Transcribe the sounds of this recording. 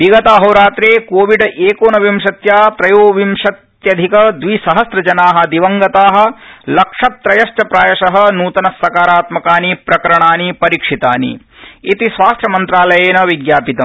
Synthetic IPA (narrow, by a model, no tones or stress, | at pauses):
biɡɐt̪aːɦɐwɾaːt̪ɾeːkoːʋiɖʔeːkoːnɐʋimʂɐt̪jaːt̪ɾɐjoːʋimʂɐt̪jɐd̪ʱikɐd̪ʋisɐɦɐsɾɐd͡ʒɐnaːɦɐ̆d̪iʋɐŋɡɐt̪aːɦɐ̆lɐkʂɐt̪ːɾɐjɐʃt͡ʃɐpɾaːjɐʃɐɦɐ̆nuːt̪ɐnɐsːɐkaːɾaːt̪mɐkaːnipɾɐkɐɾɐɳaːnipɐɾiːkʂit̪aːnḭ | it̪isʋaːst̪ɾɐmɐnt̪ɾaːlɐjeːnɐʋiɡjaːpit̪ɐm